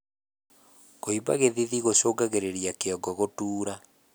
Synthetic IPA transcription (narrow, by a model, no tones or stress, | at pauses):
koiba̰ɣeðiðiɣoɕoːɡaɣeɾeɾijakeɔɡɔɣotuːɾa